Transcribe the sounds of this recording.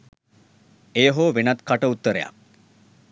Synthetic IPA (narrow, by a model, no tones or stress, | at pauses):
ejɦoːʋenat̪kaʈəut̪ːəɾeja̰k̚